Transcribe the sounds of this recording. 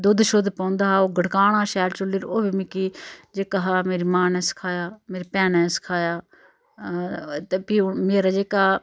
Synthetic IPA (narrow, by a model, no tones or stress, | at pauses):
d̪ʊd̪ʃod̪pɔ̃ʊ̃nd̪aːoːɡʱəɽkaːɽ̃aːʃɛːɾt͡ʃʊliːɾoːbimɪkiːd͡ʒeːkaɦaːmeːɾiːmãːnɛ̃ːsɪ̥kʰaːjaːmeːɾipɛːnɛ̃ːsɪ̥kʰaːjaː | t̪epiːmeːɾad͡ʒeːkaː